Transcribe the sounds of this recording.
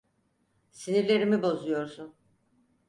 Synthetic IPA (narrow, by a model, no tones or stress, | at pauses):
siniɾlʲe̞ɾimibo̞zujo̞ɾsun